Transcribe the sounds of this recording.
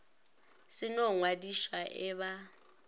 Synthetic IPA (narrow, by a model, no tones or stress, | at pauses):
sɪnɔŋwadiʃwaʔɛβa